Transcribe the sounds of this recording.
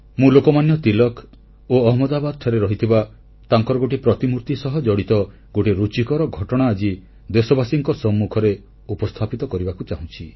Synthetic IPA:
mũlokɔmanjɔt̪ilɔk | oɔɦmɔd̪abad̪̚t̪ʰɔɾeɾɔɦit̪ʰiba | t̪aŋkɔɾɔɡoʈipɾɔt̪imuɾt̪isɔɦɔd͡ʒɔɽit̪ɔ | ɡoʈiɾut͡ʃikɔɾɔɡʱɔʈɔɽ̃aːd͡ʒi | d̪esɔbasiŋkɔsɔmːukʰɔɾe | upɔst̪ʰapit̪ɔkɔɾibakut͡ʃaɦũt͡ʃʰi

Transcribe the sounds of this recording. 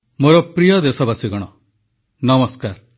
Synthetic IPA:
moɾɔpɾijɔd̪esɔbasiɡɔɽ̃ɔ | nɐmɔskaɾ

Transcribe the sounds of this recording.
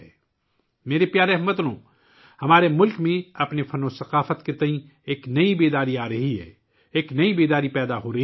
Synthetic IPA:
meːɾepjaːɾeɦmɐt̪lõː | hɐmaːɾemʊlkmẽɐpnefʰɐnosɐqaːfət̪ket̪ɐɦĩ | eːknɐibeːd̪aːɾiaːɾɐɦiɦɛ̰ː | eːknɐibeːd̪aːɾipɛːd̪aɦoːɾɐ

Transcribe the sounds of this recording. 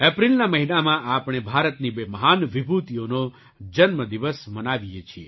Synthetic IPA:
ɛpɾilnaməɦinamãʔapɽ̃ebʱaɾət̪nibeməɦanʋibʱut̪ijono | d͡ʒənməd̪iʋəsmənaʋijet͡ʃʰie

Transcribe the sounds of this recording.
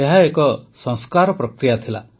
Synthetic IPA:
eɦaekɔsɔ̃ŋskaɾɔpɾɔkɾijat̪ʰila̰

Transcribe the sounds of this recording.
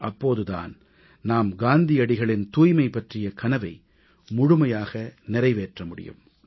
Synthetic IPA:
ʔɐpːoːðɯða̰ːn | naːmɡaːnd̪ɪɐɽɪɣɐɭɪnt̪uːjmɐɪpːɐʈrɪjɐkɐnɐʋɐɪ | mʊɻʊmɐjaːɣɐnɪɾɐɪʋeːʈrɐmʊɽɪ̰jɯ̰m

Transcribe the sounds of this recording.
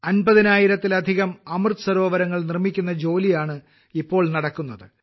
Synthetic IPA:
ɐnbɐðinaːjiɾɐt̪ːilɐd̪ʱiɣɐmɐmrt̪ɨsɐɾo̞ːʋɐɾɐŋːɐɭnirmikʲːunːɐd͡ʑo̞ːlijaːɳɨ | ipːo̞ːɭnɐɽɐkːun̪ːɐðɨ

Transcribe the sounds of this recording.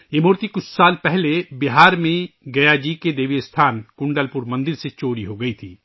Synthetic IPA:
jeːmoːɾt̪ikʊt͡ʃʰsaːlpɛɦlebɪɦaːɾmẽɡɐjad͡ʒiːked̪eːʋist̪ʰaːnkʊ̃ɳɖəlpʊɾmɐ̃nd̪ɪɾset͡ʃoːɾiɦoɡɐit̪ʰiː

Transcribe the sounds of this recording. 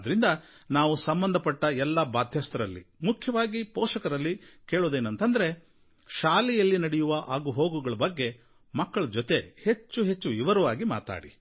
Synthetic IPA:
d̪ɐɾind̪ɐ | naːʋusɐmbɐnd̪ʱɐpɐʈːɐɛlːɐbaːd̪ʱjɐːst̪ɐɾɐlːḭmukʰjɐʋaːɡipɔːʃɐkɐɾɐlːikeːɭuːd̪eːnɐnt̪ɐnd̪ɐɾe̞ | ʃaːlɛjɐlːinɐɽɛjuʋɐʔaːɡuɦoːɡuɡɐɭɐbɐɡːe̞ | mɐkːɐɭɐd͡ʒɔt̪e̞he̞t͡ʃːuɦe̞t͡ʃːuiʋɐɾuʋaːɡima̰ːt̪a̰ːɽi

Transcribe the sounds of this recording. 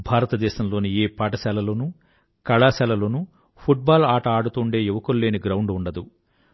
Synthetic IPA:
bʱaːɾɐt̪ɐd̪ɛːʃɐmlo̞ːnieːpaːʈɐsɛːlɐlo̞ːnu | kɐɭaːsɛːlɐlo̞ːnu | pʰuʈ̚baːlaːʈɐaːɽut̪uːɳɖe̞ːiʋɐkolːe̞ːniɡɾɐwɳɖuɳɖɐd̪u

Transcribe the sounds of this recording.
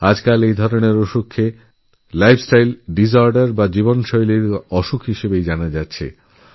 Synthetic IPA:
ad͡ʑkalejd̪ʱɔɾoneɾoʃukʰːe | lajpʰsʈajlɖizɔɾɖaɾbad͡ʑiβonʃɔjliɾɔʃukɦiʃebejd͡ʑanad͡ʑatːɕʰḛ

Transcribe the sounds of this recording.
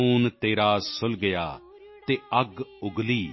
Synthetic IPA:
uːnt̪eːɾaːsʊlɡəja̰ː | t̪eːəɡʊɡliː

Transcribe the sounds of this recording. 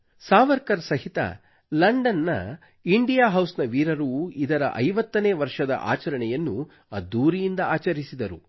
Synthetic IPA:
saːʋɐɾkɐɾsɐɦit̪ɐ̰ | lɐɳɖɐnːɐ̰ | iɳɖijaːɦɐwsnɐʋiːɾɐɾuid̪ɐɾɐ̰ʔɐjʋɐt̪ːɐneːʋɐɾʂɐd̪ɐ̰ʔa̰ːt͡ʃɐɾɐɳɛjɐnːu | ɐd̪uːɾijind̪ɐaːt͡ʃɐɾisid̪ɐɾu

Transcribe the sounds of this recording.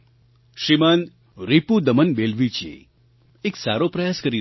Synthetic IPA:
ʃimən | ɾipud̪əmənbelʋit͡ʃḛ | eksa̰ɾopɾəjaːskəɾi

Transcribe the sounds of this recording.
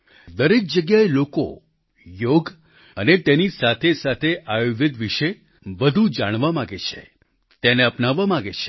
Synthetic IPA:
d̪əɾek̚d͡ʒəɡjaeloko̰ | joɡ | ənet̪enisat̪ʰesat̪ʰeʔajoʋəd̪ʋiʃe | ʋəd̪ʱud͡ʒaɽ̃ʋamãɡet͡ʃʰḛ | t̪eneəpnaʋːamãɡet͡ʃʰe̥

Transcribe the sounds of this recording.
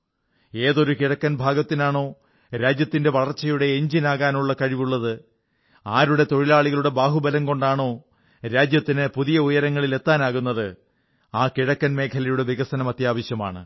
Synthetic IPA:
e̞ːðo̞ɾukiɻɐkːɐnbʱaːɡɐt̪ːinaːɳo̞ː | ɾaːd͡ʑjɐt̪ːinde̞ʋɐɭɐrt͡ɕːɐjuɽe̞ːɲd͡ʑinaːɣaːnuɭːɐkɐɻiʋuɭːɐðɨ | aːɾuɽe̞t̪o̞ɻilaːɭiɣɐɭuɽe̞baːɦubɐlɐmko̞ɳɖaːɳo̞ː | ɾaːd͡ʑjɐt̪ːinɨpuðijɐujɐɾɐŋːɐɭile̞t̪ːaːnaːɣunːɐðɨ | aːkiɻɐkːɐnme̞ːkʰɐlɐjuɽe̞ʋiɣɐsɐnɐmɐt̪jaːʋɐɕjɐmaːɳɨ

